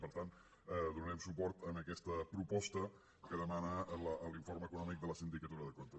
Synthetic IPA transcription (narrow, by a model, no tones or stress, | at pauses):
pəɾt̪ant̪ | ɛðunɛmsupɔɾt̪ənəkɛst̪əpɾupɔst̪ə | kəðəmanələəliɱfoɾməkunɔmik̚d̪ələsind̪ikət̪uɾəðəkont̪ə